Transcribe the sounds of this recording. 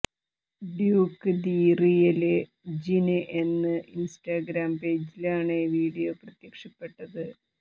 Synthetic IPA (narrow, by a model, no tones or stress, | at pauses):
ɖjuːkːɨd̪iːrijɐle | d͡ʑinɨʔe̞nːɨʔinsʈaːɡɾaːmpe̞ːd͡ʑilaːɳeʋiːɽijoːprɐt̪jɐkʂɐpːe̞ʈːɐðɨ